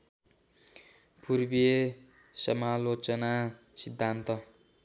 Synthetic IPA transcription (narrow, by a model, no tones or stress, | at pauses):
purbie | sʌmalot͡sʌna | sid̪ʱːant̪ʌ